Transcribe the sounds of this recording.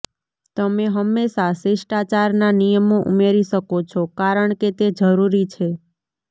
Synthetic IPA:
t̪əmeɦəmːeʃaseʃʈat͡ʃaɾnanijəmoʔṵmeɾiʃəkot͡ʃʰokaɾəɳket̪ed͡ʒəɾuɾit͡ʃʰe

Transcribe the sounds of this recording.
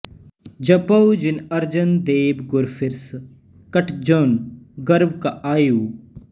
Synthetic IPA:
d͡ʒɐpɐwd͡ʒɪnɐɾd͡ʒənd̪eːbɡʊɾfʰɪɾs | kəʈʰd͡ʒonɡəɾbkaʔaːjuː

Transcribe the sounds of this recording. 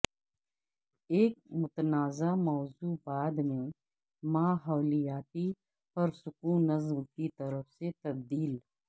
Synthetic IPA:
eːk̚mʊt̪ənaːzamɔːzuːbaːd̪mẽ | maːɦɐwlijaːt̪i | pɐɾsʊkuːnːɐzmkit̪ɐɾəfset̪ɐb̚d̪iːl

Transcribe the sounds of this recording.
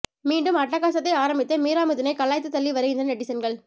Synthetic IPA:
miːɳɖɯmɐʈːɐkːaːsɐt̪ːɐɪaːɾɐmbɪt̪ːɐmiːɾaːmɯðɪnɐɪkɐɭːaːjt̪ːɯt̪ːɐlːiʋɐɾɐɪnd̪ɐnɛʈːɪsɐnɡɐɭ

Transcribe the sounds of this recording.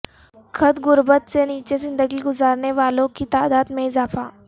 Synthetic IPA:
kʰɐt̪ɣʊɾbət̪seniːt͡ʃezɪ̃nd̪əɡiɡʊzaːɾneʋaːlõkit̪aːd̪aːd̪mẽɪzaːfaː

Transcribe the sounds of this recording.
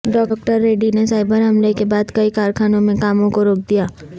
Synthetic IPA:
ɖɔːk̚ʈəɾːeːɖinesaːɪbəɾɦɐmlekebaːd̪kɐikaːɾkʰaːnõmẽkaːmõkoɾoːk̚d̪ijaː

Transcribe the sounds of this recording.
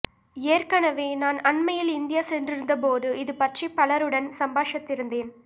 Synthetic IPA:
eːrkɐnɐʋeːnaːnɐɳmɐjɪlɪnd̪ɪjaːsɛndrɪɾɯnd̪ɐpoːðɯɪðɯpɐʈripɐlɐɾɯɽɐnsɐmbaːʂɐt̪ːɪɾɯnd̪eːn

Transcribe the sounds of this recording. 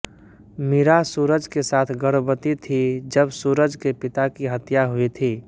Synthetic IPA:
miɾasuːɾəd͡ʒkesaːt̪ʰɡəɾbət̪it̪ʰid͡ʒəbsuːɾəd͡ʒkepɪt̪akiɦət̪jaɦuit̪ʰiː

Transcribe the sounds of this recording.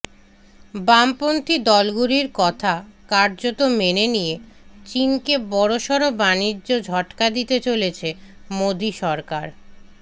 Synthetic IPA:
bampont̪ʰid̪ɔlɡuɾiɾkɔt̪ʰakaɾd͡ʑot̪omenenijet͡ɕinkebɔɽoʃɔɾobanid͡ʑːod͡ʑʱɔʈkad̪it̪et͡ɕolet͡ɕʰemod̪iʃɔɾkaɾ

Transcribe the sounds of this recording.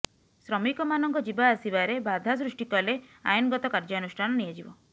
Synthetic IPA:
sɾɔmikɔmanɔŋkɔd͡ʒibaːsibaɾebad̪ʱas̬ɾuʃʈikɔlea̰jɔnɡɔt̪ɔkaɾd͡ʒɔnusʈʰanɔnied͡ʒibɔ

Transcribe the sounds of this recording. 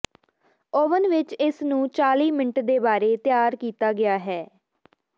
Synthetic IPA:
oːʋənʋɪt͡ʃɪsnũːt͡ʃaːliːmɪɳʈd̪eːbaːɾeːt̪jaːɾkiːt̪aːɡɪaːɦɛː

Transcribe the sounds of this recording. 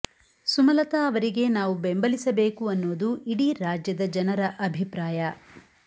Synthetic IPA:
sumɐlɐt̪ɐːʋɐɾiɡe̞naːʋubembɐlisɐbeːkuɐnːoːd̪uʔiɽiɾaːd͡ʒjɐd̪ɐd͡ʒɐnɐɾɐʔɐbʱipɾaːjɐ

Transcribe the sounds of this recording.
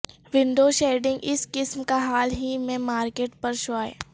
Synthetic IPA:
ʋɪ̃ɳɖoːʃeːɖɪ̃ŋɡɪskɪsmkaɦaːlɦimẽmaːɾkeːʈ̚pɐɾʃʋaːḛː

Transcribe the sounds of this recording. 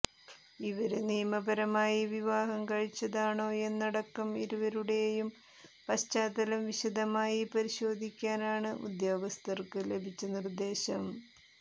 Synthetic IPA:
iʋɐɾɨnijmɐbɐɾɐmaːjiʋiʋaːɦɐmkɐɻit͡ɕːɐðaːɳo̞ːe̞nːɐɽɐkːɐmiɾuʋɐɾuɽe̞jjum | pɐɕt͡ɕaːd̪ɐlɐmʋiɕɐd̪ʱɐmaːjipɐɾiɕo̞ːd̪ʱikʲːaːnaːɳɨʔṵd̪joːɡɐst̪ʰɐrkɨle̞bʱit͡ɕːɐnird̪e̞ːɕɐm

